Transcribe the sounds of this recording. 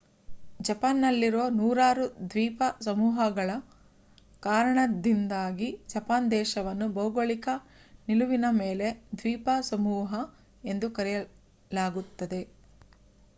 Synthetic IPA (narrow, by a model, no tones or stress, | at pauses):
d͡ʒɐpaːnːɐlːiɾoːnuːɾaːɾud̪ʋiːpɐsɐmuːɦɐɡɐɭɐ | kaːɾɐɳɐd̪ind̪aːɡid͡ʒɐpaːnd̪ɛːʃɐʋɐnːubɐuɡoɭikɐ | niluʋinɐmeːle̞d̪ʋiːpasɐmuːɦɐ | e̞nd̪ukɐɾɛjɐ | laːɡut̪ːɐd̪e̞